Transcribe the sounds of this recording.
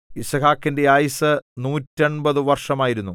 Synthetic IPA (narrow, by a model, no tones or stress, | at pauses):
isɐkʰaːkːinde̞aːjisɨnuːtːeɳbɐðɨʋɐrʂɐmaːjiɾunːu